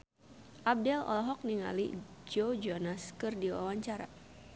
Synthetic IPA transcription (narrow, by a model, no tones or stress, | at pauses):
ʔab̚dɛlɔ̰lɔɦɔk̚niŋa̰lḭd͡ʒod͡ʒɔnaskɨrdiwa̰waɲt͡ʃaɾa̰